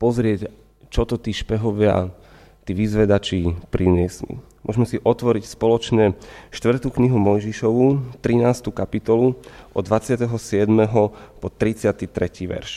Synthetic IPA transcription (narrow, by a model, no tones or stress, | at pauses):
pɔzɾɪɛc | t͡ʃɔt̪ɔt̪iːʃpɛɦɔʋɪa̰ | t̪iːʋizʋɛd̪at͡ʃipɾiɲɪɛsmḭmʊɔʒmɛsiʔɔt̪ʋɔɾicspɔlɔt͡ʃɲɛʃt̪ʋr̩t̪ukɲiɦumɔjʒiʃɔʋut̪ɾinaːst̪ukapit̪ɔluʔɔ̰d̪ːʋat͡sɪat̪ɛɦɔsɪɛd̪mɛɦɔpɔt̪ɾit͡sɪat̪it̪ɾɛciːʋɛ̰ɾʃ